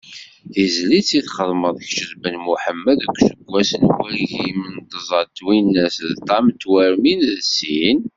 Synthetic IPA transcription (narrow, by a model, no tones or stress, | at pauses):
θizlit͡sːiθχəðˤməðˤçʃəzbənmuħəmːəðəkʷːʃəɡʷːæsənwiɾʝimənt̪əzˤɑt̪ːwinːæsðt̪ˤɑmt̪ːwæɾminðsin